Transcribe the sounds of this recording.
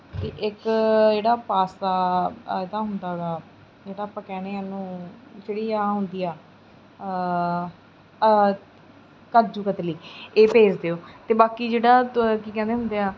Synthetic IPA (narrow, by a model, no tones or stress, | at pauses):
t̪eʔɪkd͡ʒeːɽaːpaːsaːɪd̪ãːɦʊnd̪aːɡaː | d͡ʒeːɽaːpaə̃ːkɛːneːənũːd͡ʒeːɽiːaːɦʊnd̪iːaː | kad͡ʒuːkət̪liːeːpeːd͡ʒd̪eːoːt̪eːbaːkiːd͡ʒeːɽaːkiːkɛ̃nd̪eːɦʊ̃nd̪eaː